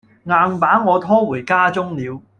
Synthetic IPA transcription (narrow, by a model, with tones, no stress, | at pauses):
ŋaː˧npaː˨˥ŋɔː˨˧t̪ʰɔː˥wuː˨˩jkaː˥t͡sʊ˥ŋliː˨˧w